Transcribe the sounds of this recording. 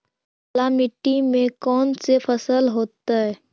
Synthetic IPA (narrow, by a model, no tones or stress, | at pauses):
lamɪʈːimẽkɔːnsefʰəsəlɦoːt̪aɦɛː